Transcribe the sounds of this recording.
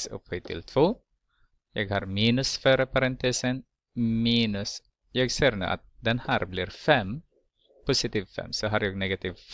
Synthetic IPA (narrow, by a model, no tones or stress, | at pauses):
sɔ̰phit̪ʰɪ̰lt̪ʰvoː | jɑːɡhɑɾmiːnʉsføɾəpaɾɛnt̪eːsən | miːnʉs | jɑːɡseːɾnʉ̰ːʔa̰t̪̚d̪ɛnhæːɾbliːɾfɛm | pusɪt̪iːvfɛ̰msɔɦaɾjaːɡnɛɡat̪iːvf